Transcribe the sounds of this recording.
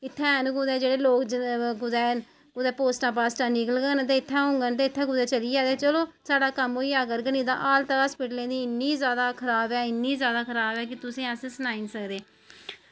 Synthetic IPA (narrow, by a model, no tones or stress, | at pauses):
ɪt̪ʰːɛ̃ːnũkʊd̪ɛːd͡ʒeːɽeːloːkd͡ʒkʊd̪ɛː | kʊd̪ɛːpoːsʈãːp̬aːsʈãːnɪkəlɡənt̪̬eːɪt̪ʰːɛ̃ːɦʊ̃ŋɡənt̪eːɪt̪ʰːɛ̃ːkʊd̪ɛːt͡ʃəliːd͡ʒaːd̪eːt͡ʃəloːsaːɽaːkəmɦoːiːaːɡəɾɡəniːd̪ã̰ːʔaːlt̪əɦaːspɪʈlẽːd̪iːɪnːiːzjaːd̪aːkʰəɾaːbɛːɪnːiːzjaːd̪aːkʰəɾaːbɛːkɪt̪ʊsẽːəssnaːiːnsəkd̪eː